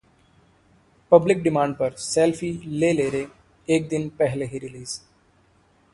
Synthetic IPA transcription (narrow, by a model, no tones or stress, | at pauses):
pəblɪk̚ɖɪmãːɳɖ̚pəɾselfʰileːleːɾe | eːk̚d̪ɪnpɛɦleɦiɾɪliːz